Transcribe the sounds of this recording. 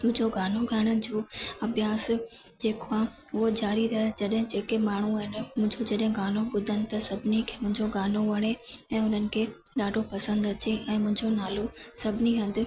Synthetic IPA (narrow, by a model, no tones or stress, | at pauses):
ʊɪ̃ɲd͡ʑoɡʱaːnoɡʱaːɽ̃ənɪ̆d͡ʑoːɐbʱjaːs | d͡ʑeːkã | ʊɦod͡ʑaːɾiɾɐɦed͡ʑɐɗɦɪ̃d͡ʑeːkemaːɳ̤uɦɪnɪmʊ̃ɦɪ̃ɲd͡ʑod͡ʑɐɗɦɪ̃ɡaːnoɓʊd̪ʱənɪ̆t̪ɐsɐbʱɪnikʰeːmʊ̃ɦɪ̃ɲd͡ʑoɡaːnoʋɐɽ̃eɛ̃ːʊnənɪ̆kʰeː | ɗaːɖʱopɐsə̃nd̪ɐt͡ɕeʔɛ̃ːmʊ̃ɦɪ̃ɲd͡ʑonaːlosɐbʱɪniɦɐ̃nd̪ɪ̆